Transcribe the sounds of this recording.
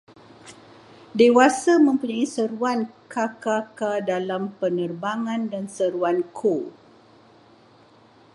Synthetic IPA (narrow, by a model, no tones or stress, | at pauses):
dewasamə̃mpuɲãisəɾuankakakadalampənərbaŋãndansəɾuankʰo